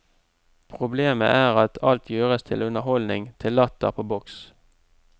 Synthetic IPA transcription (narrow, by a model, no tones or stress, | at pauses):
pʰʁʊbleːmə̰ʔæːʁɑt̪ʰɑlt̪ʰjøːʁəst̪ʰɪlʉnəhɔlnɪŋt̪ʰɪlːɑt̪ə̰ʁpʰoːbɔks